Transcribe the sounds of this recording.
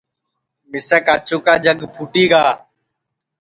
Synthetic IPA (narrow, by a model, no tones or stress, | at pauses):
mɪseːkaːt͡ʃuːkaːd͡ʒəɡpʰuːʈiːɡaː